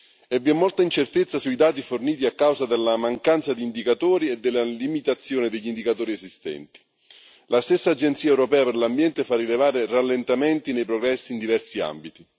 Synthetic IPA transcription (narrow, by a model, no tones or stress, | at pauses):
ɛvːiɛmːolt̪aint͡ʃert̪et̪sːasuid̪aːt̪̬iforniːt̪̬iakːawzad̪elːamaŋkant̪sad̪iːnd̪ikat̪oːɾied̪ːelːalimit̪at̪sːjoːned̪eʎːind̪ikat̪oːɾiezist̪ɛ̰nt̪i̥ | last̪esːaːd͡ʒent̪siːaɛwɾopɛːaperlambjɛnt̪efarːilevaːɾeralːent̪ament̪inejpɾoɡɾɛsːiːnd̪ivɛrsia̰mbit̪i